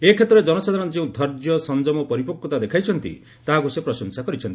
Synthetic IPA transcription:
ekʰet̪ɾɔɾed͡ʒɔnɔsad̪ʱanɔnd͡ʒẽũd̪ʱɔɾd͡ʒjɔsɔnd͡ʒɔmɔpɔɾipɔkːɔt̪ad̪ekʰajt͡ʃʰɔnt̪ḭ | t̪aɦakusepɾɔsɔŋsakɔɾit͡ʃʰɔnt̪i

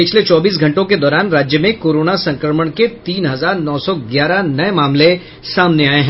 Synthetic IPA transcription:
pɪt͡ʃʰlet͡ʃɔːbiːs̬ɡʱɐ̃ɳʈõked̪ɔːɾaːnɾaːd͡ʒjəmẽkoːɾoːnasɐ̃ŋkɾəməɽ̃ket̪iːnɦɐzaːɾnɔːsɔɡjaːɾanɐemaːmle | saːmneaːeɦɛ̃

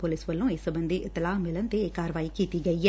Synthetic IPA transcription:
poːliːsʋɐlːueːsɐbɐnd̪iʔt̪ɐlaːmilɐnt̪eekaːɾʋaːjikːit̪iɡɐjːɐ

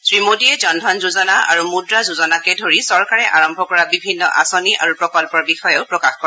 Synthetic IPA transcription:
sɹimodiɛzɔndʱɔnzuzɔnaa̰ɹumudɹazuzɔnakɛdʱoɹisɔɹkaɹɛʔaɹɔmbʱɔkɔɹabibʱinːɔ̰ʔa̰sɔniʔa̰ɹupɹɔkɔlpɔɹbixɔjɔʊpɹɔkaxkɔ

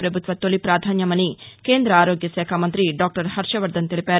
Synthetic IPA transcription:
pɾɐbʱut̪ʋɐt̪ːolipɾaːd̪ʱaːnjɐmɐnːikeːnd̪ɾɐaːɾoːɡjɐsɛːkʰaːmɐnt̪ɾiɖaːk̚ʈɐɾhɐɾʃɐʋɐɾd̪ɐnt̪iɭipɛːɾ

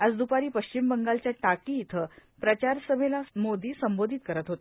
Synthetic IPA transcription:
ad͡zd̪upaɾiːpəɕt͡ɕimbəŋɡalt͡ɕjaʈakiːt̪ʰəpɾət͡ɕaɾsəmelamod̪iːsəmbod̪ʱit̪̚kəɾət̪ɦot̪e

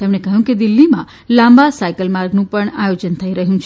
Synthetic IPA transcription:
t̪emnekəɦjũked̪ɪlːimã̰ | lãmbasaikəlmaɾɡnũpəɳajod͡ʒənt̪ʰəiɾəɦjũt͡ʃʰ

